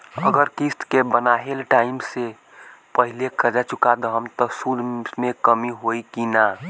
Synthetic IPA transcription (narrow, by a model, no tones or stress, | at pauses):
ə̰ɡəɾkist̪ʰkebənaɦelʈaimse | pəɦilekʰəd͡ʒat͡ʃukad̪ɔɦəmt̪ɔsud̪ʱmekəmiɦoikina